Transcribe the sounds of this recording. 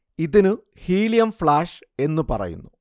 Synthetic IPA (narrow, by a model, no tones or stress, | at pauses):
iðinɨ | hiːlijɐmfɭaːʂe̞nːɨpɐ̰rɐ̰jṵnːu